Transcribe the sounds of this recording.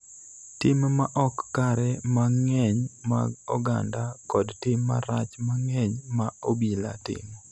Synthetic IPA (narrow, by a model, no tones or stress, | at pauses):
tɪmmaʔɔkːaɾɛmaŋɛɲma̰ɡɔɡandakɔdtɪmːa̰ɾat͡ʃmaŋɛɲmaobila̰tɪ̰mɔ